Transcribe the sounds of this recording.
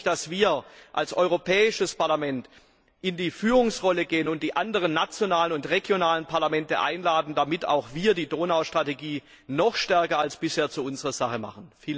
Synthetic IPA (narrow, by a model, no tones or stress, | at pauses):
d̥asv̥iːɐʔalsʔɔ̰ʏʁopʰɛːɪʃəspaɐlamɛnt | ʔɪndiːfyːʁʊŋsʁɔləɡeːənʊntd̥iːʔandəʁ̞ənːat͡sjonaːlənʊntʁeɡjonaːlənpʰaɐlamɛntə̰ʔa̰ɪnlaːdn̩damɪta̰ʊxv̥iːɐdiːdoːnaʊʃtʁ̥ateɡiː | nɔχʃtɛɐkɐalsb̥ɪsheːɐt͡suʊnzəʁɐz̥aχəma̰χən̩fiːl